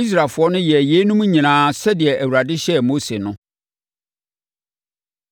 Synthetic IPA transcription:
i˦s̬ɾa˨lfʊ˨˦ɔ˦nʊ̃˦jɛ˨jeː˨˦nũ˦m˦ɲĩ˨nãː˨˦sɛ˦dɪ˨ɛ˨ʔæ˨wu˨ɾa˨dɪ˦ɕɛ˦mo˦se˨nʊ̃˦

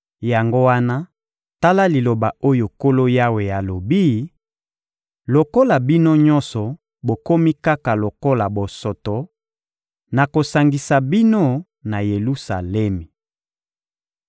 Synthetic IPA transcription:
ja˨ŋɡo˦wa˦na˦ | ta˦la˦li˨lo˨ba˨o˦jo˨ko˦lo˦ja˦we˨ja˨lo˨bi˦ | lo˨ko˦la˨bi˦no˦ɲɔ˦nsɔ˨ | bo˨ko˦mi˦ka˦ka˨lo˨ko˦la˨bo˨sɔ˨tɔ˨ | na˨ko˨sa˨ŋɡi˨sa˨bi˦no˦ | na˨je˨lu˦sa˨lɛ˦mi˨

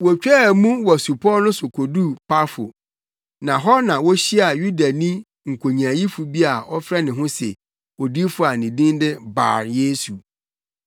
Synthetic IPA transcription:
wɔ˨t͡ɕᶣɛ˦˨mũ˦wɔ˨su˨pʰɔ˦nʊ̃˦sʊ˨kʰo˨du˦˨pʰa˦fʊ̰˨ | nã˨ɦɔ˦nã˨wɔ˦ɕi˦a˨ju˦da˨nĩ˦ | ŋ̩˨kʷʰo˨ɲ˨ã˨ji˦fu˨bi˦a˨ɔ˦fɾɛ˦nɪ̃˨ɦʊ̃˦sɛ̰˨ | o˨di˦fʊ˨a˨nĩ˨dĩ˦ndɪ˦ba̰ː˨ɾje˦su˨

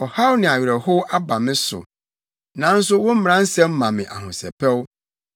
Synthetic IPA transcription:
ɔ˨ha˦wnɪ̃˨a˨ɥɾɛ˨hʊ˦ʔa˦ba˨mɪ̃˦sʊ̰˨ | nã˨˦n̩˦sʊ˦wʊ̃˦m̩˦m̃˨ɾã˦n˦sɛ̃˦m̩˦mã˨mɪ̃˨ʔa˨hʊ̃˨sɛ̰˨pʰɛ˦w

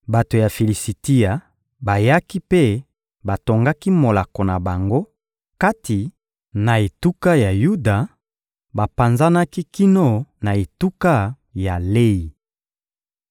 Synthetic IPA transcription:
ba˨to˨ja˨fe˨li˨si˨ti˦a˨ | ba˨ja˦ki˦pe˦˨ | ba˨to˨ŋɡa˦ki˦mo˨la˨ko˨na˨ba˨ŋɡo˦ | ka˦ti˨ | na˨e˨tu˦ka˦ja˨ju˦da˨ | ba˨pa˨nza˦na˦ki˦ki˦no˦˨na˨e˨tu˦ka˦ | ja˨le˦i˨

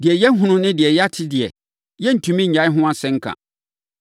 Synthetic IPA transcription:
dɪ˨ɛ˨jɛ˦ɦũ˦nʊ̃˦nɪ̃˦dɪ˨ɛ˨jɛ˦a˦tʰɪ˦dɪ˨ɛ̰˨ | jɛ˦n̩˨tʰũ˨mĩ˦ɲ̩˨ɲã˨˦ɪ˦ɦʊ̃˦ã˦sɛ̃˦ŋ̩˦kʰã̰˨

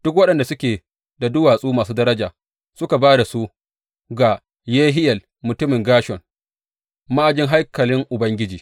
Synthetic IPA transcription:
d̥ʊ˦k̬wɐ˦ɗɐ˨nda˨sʊ˦kʲeː˨ | da˨dʊ˦waː˨sʼuː˦maː˨s̬uː˦dɐ˦ɾɐ˦d͡ʒaː˨ | sʊ˦ka˨baː˦da˨su˦ | ɡa˨ | jeː˦ɦɪ˦jɐ˨l | mʊ˨tʊ˦mɪ˨ŋɡaː˦ʃɔ˨n | ma˦ʔa˨d͡ʒɪ˦ŋɦa˦jkɐ˨lɪ˦ŋʔʊ˨bɐ˦ŋɡʲɪ˦d͡ʒiː˨

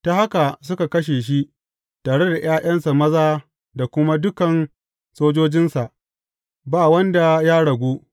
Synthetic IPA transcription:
ta˦ha˦ka˨s̬ʊ˦ka˨kɐ˦ʃ̬eː˨ʃ̬i˦ʔ | taː˨ɽe˦da˨j̰aː˦j̰ɐ˦nsa˨mɐ˦zaː˦ | da˨kʷʊ˦ma˦dʊ˦kɐ˨n | soː˦d͡ʒoː˦d͡ʒɪ˦nsa˨ʔ | baː˦˨wɐ˦nda˨ja˦ɽɐ˨ɡʷoː˦

